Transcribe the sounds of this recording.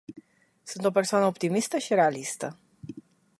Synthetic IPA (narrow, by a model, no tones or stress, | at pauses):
sunt̪o̞pe̞rsoanəopt̪imist̪əʃiɾe̞alist̪ə